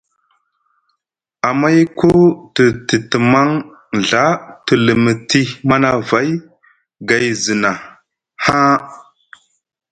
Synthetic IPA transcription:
a˨ma˦jko˦tə˨tə˨tə˨ma˦ŋ | ɮa˦tə˨lə˨mə˨ti˦ma˦na˦va˦j | ɡa˨jzi˨na˨ | ha˦

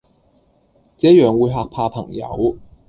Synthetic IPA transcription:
t͡sɛː˨˥jœː˨ŋwuː˨˧jɦaː˨k̚pʰaː˧pʰɐ˨˩ŋjɐ̰˨˥w

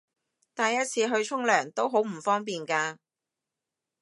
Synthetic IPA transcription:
t̪aː˨jɐ˥t̚t͡sʰiː˨˧ɦɵ˧ɥt͡sʰʊ˥ŋlœː˨˩ŋt̪o˥wɦo˨˥wm̩˨˩fɔː˥ŋpiː˨nkaː˧

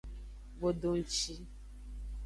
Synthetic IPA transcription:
bo˨ɖo˨ŋ̩˦t͡ʃi˦

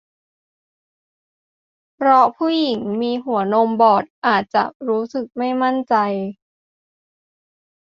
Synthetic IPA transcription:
pʰɾɔ˦˥pʰuː˥˩ji˩˦ŋmiː˧ɦu˩˦ɐno˧mbɔː˨˩t̪̚ʔaː˨˩t̪̚t͡ɕa̰˨˩ʔɾuː˦˥sɯ˨˩k̚ma˥˩jma˥˩nt͡ɕa˧j

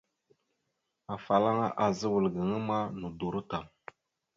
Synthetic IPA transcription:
a˨fa˨la˦ŋa˦ʔa˨zə˦wə˨lɡə˨ŋə˦ma˦nu˨du˨ɾu˦ta˨m

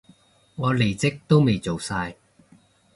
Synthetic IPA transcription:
ŋɔː˨˧le˨˩jt͡sɪ˥k̚t̪o˥wme˨jt͡so˨wsaː˧j

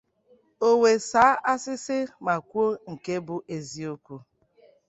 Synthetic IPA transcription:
o˦we˨saː˨˦ʔa˦sɪ˦sɪ˦ma˨kʷu˦o˦ŋ̩˨ke˦bʊ˦ʔe˨zi˦o˦kʷu˦

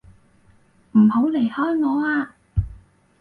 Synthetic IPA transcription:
m̩˨˩ho˨˥wle˨˩jhɔː˥jŋɔː˨˧aː˧

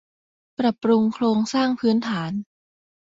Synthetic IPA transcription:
pɾa˨˩pːɾu˧ŋkʰloː˧ŋsaː˥˩ŋpʰɯː˦˥nt̪ʰaː˩˦n

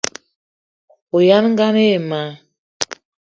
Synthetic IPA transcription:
o˨ja˦n˦ŋ˦ɡa˦ne˦˨ma˨˦

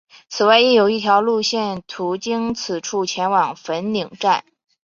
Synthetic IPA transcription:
t͡sʰɹ̩˨˩wa˥˧ɪɛ˥˩jo˨˩ʊi˥˩t̪ʰjɑ˧˥ʊlu˥˧ɕjɛ˥˩nt̪ʰu˧˥t͡ɕi˥ŋt͡sʰɹ̩˨˩ʈ͡ʂʰu˥˩t͡ɕʰjɛ˧˥nwɑ˨˩ŋfə˧˥nli˨˩ŋʈ͡ʂa˥˩n

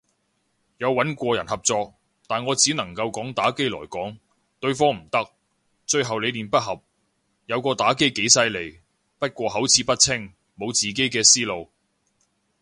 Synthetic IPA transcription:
jɐ˨˧wːɐ˨˥nkʷɔː˧jɐ˨˩nhɐ˨p̚t͡sɔː˧k̚ | t̪aː˨˩nŋɔː˨˧t͡siː˨˥nɐ˨˩ŋkɐ˧wkɔː˨˥ŋt̪aː˨˥ke˥jlɔ̰ː˨˩jkɔː˨˥ŋ | t̪ɵ˧ɥfɔː˥ŋm̩˨˩t̪ɐ˥k̚ | t͡ʃɵ˧ɥɦɐ˨wle˨˧jliː˨˩npɐ˥t̚ɦɐ˨p̚ | jɐ˨˧wkɔː˧t̪aː˨˥ke˥jke˨˥jsɐ˧jle˨˩j | pɐ˥t̚kʷɔː˧ɦɐ˨˥wt͡sʰiː˨˥pɐ˥t̚t͡sʰɪ˥ŋ | mo˨˧wt͡siː˨ke˨˥jkɛː˧siː˥lo˨˧w

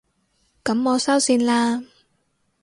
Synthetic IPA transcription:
kɐ˨˥mːɔː˨˧sɐ˥wsiː˧nlaː˧

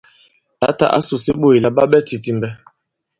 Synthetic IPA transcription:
ta˨˦ta̰˨ʔa̰˦su˨si˦ɓo˦˨i˨la˨ɓa˦ɓɛ˦ti˨ti˨mbɛ˦

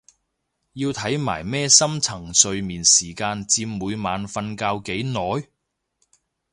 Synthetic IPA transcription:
jiː˧wt̪ʰɐ˨˥jma̰ː˨˩jmɛː˥sɐ˥mt͡sʰɐ˨˩ŋsɵ˨ɥmiː˨˩nsiː˨˩kaː˧nt͡siː˧mːuː˨˧jmaː˨˧nfɐ˧nkaː˧wke˨˥jnɔː˨˥j

